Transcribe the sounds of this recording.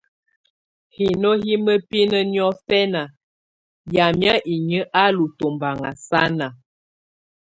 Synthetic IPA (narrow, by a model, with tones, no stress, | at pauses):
hi˨no˦hi˦mə˦pi˦nə˦n˦ɔ˦fɛ˦na˨ | ja˨mja˦ʔi˨ɲə˦ʔa˦lu˨to˨mba˨ŋa̰˨sa˦na˨